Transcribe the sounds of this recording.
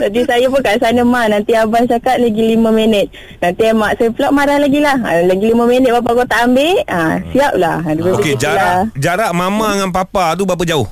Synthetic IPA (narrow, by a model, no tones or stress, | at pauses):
t̪apisajap̬ʊnkaʔsanəmanant̪iabant͡ʃakat̪̚laɡilimə̃menət̪̚ | nant̪iamaʔsapəloʔmaɾahlaɡilaha̰laɡilimə̃menət̪̚bap̬akot̪aʔambeʔasiap̚lahdupat̪ukeid͡ʒalad͡ʒaɾaʔmamaŋanpapat̪̬ubap̬ad͡ʒaʊh